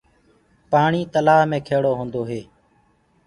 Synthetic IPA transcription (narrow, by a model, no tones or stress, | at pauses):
paːɳiːt̪əlaːɦmẽːkʰeːɽoːɦõːnd̪oːɦeː